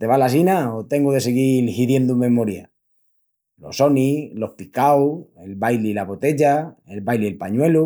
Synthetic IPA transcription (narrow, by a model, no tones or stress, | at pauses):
t̪e̞βalasinaot̪e̞ŋɡuðe̞seɣilhiðje̞nd̪umẽ̞moɾja̰ | lo̞̰so̞nilo̞hpikawelβajliːlaβot̪e̞ʝae̞lβajlielpaɲwe̞lu